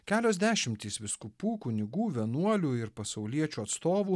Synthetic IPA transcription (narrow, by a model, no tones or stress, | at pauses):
kʲæːlʲoːzʲd̪ʲæːʃʲɪmʲt̪ʲiːsʋʲɪskʊpuːkʊnʲɪɡuːʋʲɛnuɔlʲuɪɾpɐsɐʊlʲiɛt͡ʃʲuːɐt̪st̪oːʋuː